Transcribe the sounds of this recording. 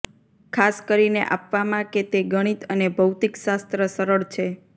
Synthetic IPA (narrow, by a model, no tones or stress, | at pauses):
kʰaskəɾinḛʔa̰pʋamãket̪eɡəɽ̃it̪ənebʱəwt̪ikʃast̪ɾəsəɾəɭt͡ʃʰe